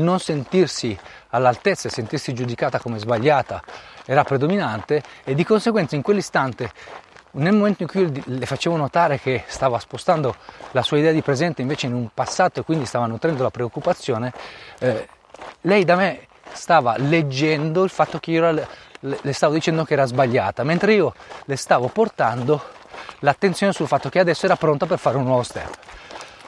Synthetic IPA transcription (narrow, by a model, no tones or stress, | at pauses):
ilnonsent̪irsi | alːalt̪et̪sːaesent̪irsid͡ʒud̪ikaːt̪akomezbaʎːaːt̪aɛːɾapɾed̪ominant̪eːd̪ːikonseɡwɛnt̪aiŋkwelːist̪ant̪e | nelmoment̪oiŋkujlefat͡ʃeːvonot̪aːɾekest̪aːvaspost̪and̪olasuːaid̪ɛːad̪ipɾezɛnt̪eiɱveːt͡ʃeinumpasːaːt̪oekːwind̪ist̪aːvanut̪ɾɛnd̪olapɾeokːupat̪sːjoːne | lɛjd̪ame | st̪aːva̰led͡ʒːɛnd̪oilfat̪ːok̟eiɾalest̪aːvod̪it͡ʃɛnd̪okeɛːɾazbaʎːaːt̪ament̪ɾeiːolest̪aːvoport̪and̪o | lat̪ːent̪sjoːnesulfat̪ːokead̪ɛsːoɛːɾapɾont̪ap̬erfaːɾeunːwɔvost̪ɛ̰pː